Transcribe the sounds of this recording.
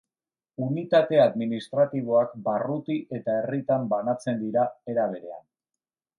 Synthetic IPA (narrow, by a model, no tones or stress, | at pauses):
unit̪at̪e̞aðminist̪ɾat̪iβ̞o̞akbarut̪iʔe̞t̪ae̞rit̪ambanat͡se̞nd̪iɾae̞ɾaβ̞e̞ɾe̞a̰n